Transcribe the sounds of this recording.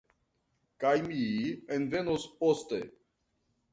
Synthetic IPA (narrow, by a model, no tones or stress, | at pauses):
kajmienve̞nospostḛ